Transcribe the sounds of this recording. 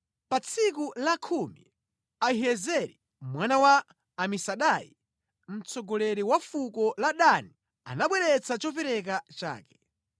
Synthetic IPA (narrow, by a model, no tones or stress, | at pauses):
pat͡sʰikulakʰumi | aiɦɛzɛɾi | mwanawaː | misaɗajḭ | m̩t͡sɔɡɔlɛɾiwafukɔlaɗani | a̰naɓwɛɾɛt͡sat͡ʃɔpɛɾɛk̬at͡ʃa̰ːkɛ̥